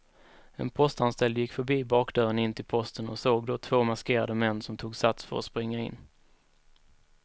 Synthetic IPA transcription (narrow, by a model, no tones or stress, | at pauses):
ɛ̰npʰɔst̪anst̪ɛld̪jɪkːfœɾbiːbɑːkd̪œːɾənɪnːt̪ʰɪlpʰɔst̪ənɔsoːɡd̪ɔt̪ʰv̥oːmaskeːɾad̪əmɛnːsɔmt̪ʰuːɡsat̪sfœ̰ɾɔ̰spɾɪŋːaɪ̰nː